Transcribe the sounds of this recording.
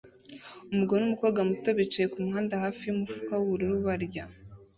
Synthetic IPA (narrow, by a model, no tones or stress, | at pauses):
umuɡonumukoːɡamutoβit͡ʃejekumuhaːndahaːfijumufu̥kawuβuɾiɾuβaɾɟa